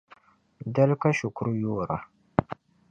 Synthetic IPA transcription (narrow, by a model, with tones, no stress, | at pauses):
dɐ˦lka˦ʃu˨kɾu˦jo˦˨ɾʔa˨